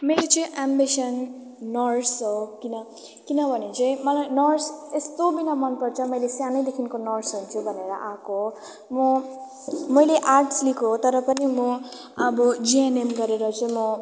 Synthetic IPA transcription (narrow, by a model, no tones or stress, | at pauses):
meɾet͡sʌĩʔambisʌnː | ʌrsɦokinʌ | kinʌbʱʌnet͡sʌ̃ĩmʌlajnʌrsest̪obinʌmʌnpʌrt͡sʰʌmʌjlesjanʌjd̪ekʰinkonʌrsɦunt͡sʰubʱʌneɾʌʔakoɦo | mʌ | mʌjleʔarʈslikʰoɦot̪ʌɾʌpʌnimʌ | ʌbʌd͡zienemɡʌɾeɾʌt͡sʌĩmʌ